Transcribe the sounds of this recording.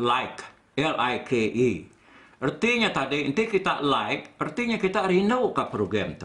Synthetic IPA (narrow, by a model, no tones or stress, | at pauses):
laɪk | ɛlajkʰeʔi | ərt̪iɲat̪adint̪ikit̪a̰ʔlaɪk̚ərt̪iɲakit̪aɾinəwkapɾoɡɾamt̪u